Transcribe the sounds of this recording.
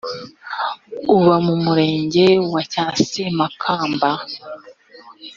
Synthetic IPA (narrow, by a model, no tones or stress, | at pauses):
uβamumuɾe̞ːɲɟe̞wacaːsemakʰaːmba